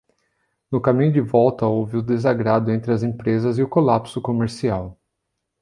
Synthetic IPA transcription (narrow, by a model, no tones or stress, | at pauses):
nʊkamĩɲʊd͡ʒɪvɔwt̪ɐowviʊd̪ezaɡɾad̪ʊẽnt̪ɾɪɐzẽpɾezɐzɪʊkolapsʊkomeɾsiaw